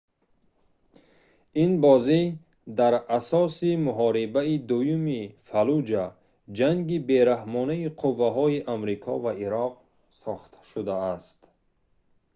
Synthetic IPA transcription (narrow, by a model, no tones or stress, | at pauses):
inbɔzi | d̪aɾasɔsimuɦɔɾibaid̪ujumifalud͡ʒa | d͡ʒaŋɡibe̞ɾahmɔnaiqʰuvːaɦɔiʔamɾikʰɔvaiɾɔq̚ | sɔχt̪ʰḁʃud̪aːst̪